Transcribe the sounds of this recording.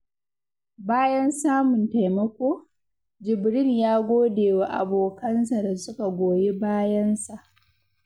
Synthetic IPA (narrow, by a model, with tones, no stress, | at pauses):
baː˦jɐ˦nsaː˦mʊ˨nta˨jmɐ˦kʷoː˦ | d͡ʒɪ˨bɾɪ˦njaː˦ɡʷoː˦deː˨wa˨ʔa̰˨boː˨kɐ˦nsa˨da˨sʊ˦ka˨ɡʷoː˨je˦baː˦jɐ˦nsa˨ʔ